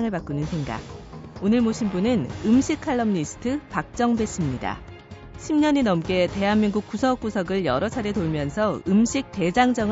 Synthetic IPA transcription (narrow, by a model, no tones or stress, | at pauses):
ŋɯɭpak͈unɯnsʰe̞ŋɡa̰ɡ̚onɯɭmoɕʰinbunɯnɯmɕʰikʰaɭːʌmɲisʰɯ̥tʰɯpak̚t͡ɕ͈ʌŋbe̞s͈ɯmɲida̰ | ɕʰimɲʌɲinʌmk͈e̞te̞ɦanmiŋɡuk̚k͈usʰʌk͈̚usʰʌɡɯɭjʌ̰ɾʌt͡ɕʰaɾetoɭmjʌnsʰʌɯmɕʰik̚t͈e̞d͡ʑaŋd͡ʑʌŋ